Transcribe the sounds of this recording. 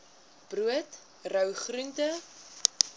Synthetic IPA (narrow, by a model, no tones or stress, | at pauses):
b̥ruət | rœwχruntə